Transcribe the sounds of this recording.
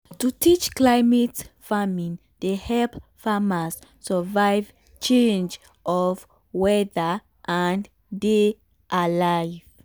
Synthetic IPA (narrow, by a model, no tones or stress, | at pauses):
tutʰit͡ʃklajmɛtfamĩn | d̥ehɛlpfamas | səvajv | t͡ʃẽnd͡ʒ | ʔɔv | wɛðə | ʔãn | de | ʔalajv̥